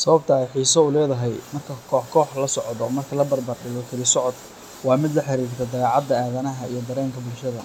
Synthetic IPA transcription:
sɐβɐbt̪ʰɐɛjħiːsɔʊlɛːðɐɦɛjmɐrkʰɐkʰɔːħkʰɔːħlɐsɔʕd̪ɔmɐrkʰɐlɐbɐrbɐrɖɪɣɔk̪ʰɪlɪsɔʕɔd̪ | wɑːmɪd̪lɐħɑɾiːrt̪ʰɛd̪ɐɣɑːʕɑd̪ːɐaːðɐnɐɦɐḭjɞd̪ɐɾɛːŋkʰɐbʊlʃɐðɐ

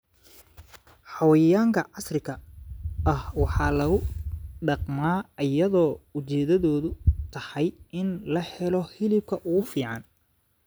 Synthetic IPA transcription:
ħɑwɐjɐjaːŋkʰɐʕɑsrɪkʰɐʔɐhwɑħɑːlɐɣʊɖɑqmaːɐjɐðɔːʊt͡ʃɛːðɐðɔːðʊt̪ʰɐhɑjɪnlɐhɛlɔhɪlɪb̚kʰɐʔʊɣʊfiːʕɑn

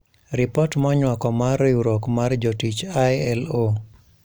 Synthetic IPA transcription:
ɾɪpɔtmɔɲwakɔmaruɾokmard͡ʒotit͡ʃajɛlo

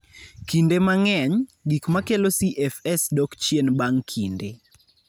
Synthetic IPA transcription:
kindemaŋɛɲɡikmakelosiʔɛfɛsdɔkt͡ʃjenbaŋkʰinde

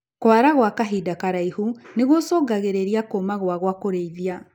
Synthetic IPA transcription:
kwaɾaɣwakaɦidakaɾaihuneɣosoːɡaɣeɾeɾiakoːmaɣwaɣwakoɾeiðia

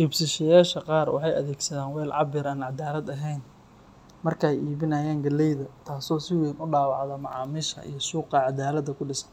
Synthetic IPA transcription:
ʔiːbsɪʃɐjaːʃɐqɑːrwɑ̰ħɑjɐ̰ðɛːɡsɐðaːnwɛːlʕɑbɪɾaːnʕɑd̪aːlɐd̪ɐɦɛjn | mɐrkʰɐɛjiːβɪnɐːjaːŋɡɐlɛjðɐt̪ʰaːsɔːsɪwɛnʊɖɑːwɑʕðɐmɑʕɑːmiːʃɐ̰ʔḭjɞʃuːqɑʕɑd̪aːlɐd̪ɐkʰʊɖɪsɐ̥n

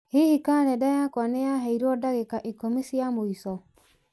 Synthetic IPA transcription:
hehikaɾɛdajakwanejaɦɛiɾɔdaɣekaʔikomisjamoisɔ

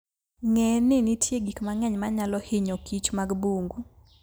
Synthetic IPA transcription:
ŋɛnɪnɪtʰjeɡikmaŋɛɲmaɲalɔhɪɲokit͡ʃmaɡbuŋɡu

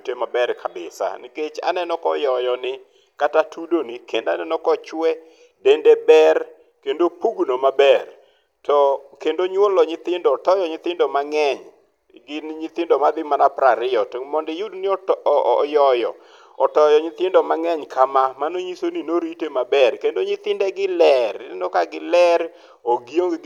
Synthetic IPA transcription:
temabɛrkʰabɪ̰sa̰niket͡ʃa̰nɛnɔkɔ̰jɔjɔnɪ | katatʰudonikendanɛnɔkɔt͡ʃwɛ | dendebɛr | kendopuɡnomabɛr | tɔkendoɲwolɔɲɪt̪ɪndɔːtɔjɔɲɪt̪ɪndɔmaŋɛɲ | ɡɪnɲɪt̪ɪndɔmad̪ɪmanapɾaɾɪjɔtmɔndɪjudnɪɔjɔjɔ̰ | ɔtɔjɔɲɪt̪ɪndɔmaŋɛɲkʰamamanoɲisoninoɾitemabɛrkendoɲɪt̪ɪndɛɡɪlɛrnnɔkaɡɪlɛr | oɡio

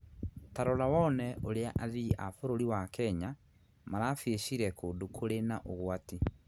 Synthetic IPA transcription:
taɾɔlawɔnɛʔoɾeaʔaðiʔafoɾoɾiwakɛɲa | maɾafeɕiɾɛkoːndokʰoɾenaʔoɣwati

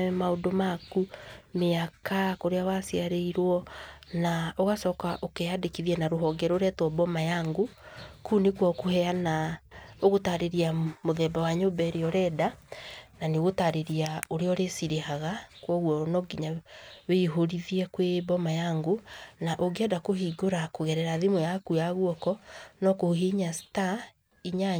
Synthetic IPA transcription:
maondomakumeakakoɾeawasiaɾeiɾwɔnaoɣasɔːkaʔokeadekiðiɛnaɾoɦɔɡɛɾoɾɛtwɔbɔmajaŋɡokunekwɔkohɛanaoɣotaɾeɾiamoðɛbawaɲobɛɾeɔɾɛːdananeɣotaɾeɾiaoɾeɔɾesiɾehaɣakwɔɣwɔnɔɡiɲaweiɦoɾiðiɛkwebɔmajaŋɡonaʔoɡeɛdakoɦiɡoɾakoɣɛɾɛɾaðemɔjakujaɣwɔkɔnɔkoɦiɲasta | iɲa

